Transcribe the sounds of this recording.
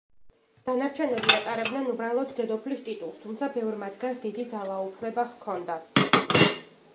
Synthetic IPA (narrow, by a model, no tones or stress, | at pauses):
d̪̥anaɾt͡ʃʰɛnɛbiat̪ʼaɾɛbd̪nɛnubɾalˠɔd̪ːɛd̪ɔpʰlist̪ʼit̪ʼulˠst̪ʰumt̪sʰabɛvɾmad̪ɡansd̪id̪id̪zalˠaupʰlɛbaʁkʰɔnd̪a